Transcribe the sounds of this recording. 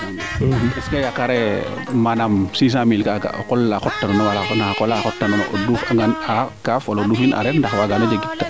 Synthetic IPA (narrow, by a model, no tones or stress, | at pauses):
ɛskajakaɾɛ | manamsiːs̬ãmilkaɡa̰kɔlːaxɔtːanɐnɔwalanakɔlaxɔtːanɐn̰dufaŋɡanakafwaloduːfina̰ɾɛndaxwaɡanɐd͡ʒaɡitːa